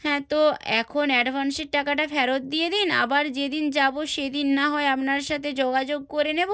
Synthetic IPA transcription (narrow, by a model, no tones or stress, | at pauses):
hɛ̃t̪oɛkʰonɛɖbʱanseɾ̚ʈakaʈafɛɾot̪̚d̪ied̪ina̰baɾd͡ʑed̪ind͡ʑaboʃed̪inːaɦɔeapnaɾʃat̪ʰed͡ʑoɡad͡ʑoɡ̚koɾenebo